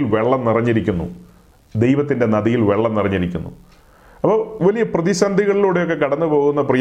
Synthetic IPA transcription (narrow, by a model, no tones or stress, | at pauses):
lʋe̞ɭːɐmnirɐɲːiɾikʲːunːṵ | d̪e̞jʋɐt̪ːinde̞nɐðijilʋe̞ɭːɐmnirɐɲːiɾikʲːṵnːṵ | ɐpːɐʋɐlijɐprɐðiɕɐnd̪ʱiɣɐɭiloːɽejo̞kːe̞kɐɽɐnːupo̞ːɣunːɐprɐj